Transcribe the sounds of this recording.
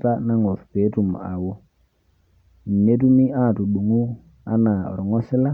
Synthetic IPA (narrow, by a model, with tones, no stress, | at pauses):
ta˦na˦ŋɔ˨ɾpe˨˦tu˨m˨a˨wɔ˦ | n̩˨ne˦tu˦mi˦a˦˨tu˨ɗu˨ŋu˦ | a̰˦na˨ɔ̰˨ɾɔ˨ŋɔ˦sɪ˦la˦